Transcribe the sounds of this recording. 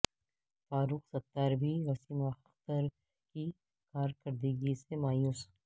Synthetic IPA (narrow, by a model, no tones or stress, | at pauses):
faːɾuːqsɐt̪ːaːɾbiɾɐsiːma | t̪əɾ | ki | kaːɾkəɾd̪iːɡisemaːjuːs